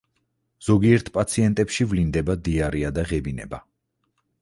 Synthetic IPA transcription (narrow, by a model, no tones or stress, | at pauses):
z̥ɔɡiɛɾt̪ʰpʼat̪sʰiɛnt̪ʼɛpʃivlind̪ɛbad̪iaɾiad̪aʁɛbinɛ̰ba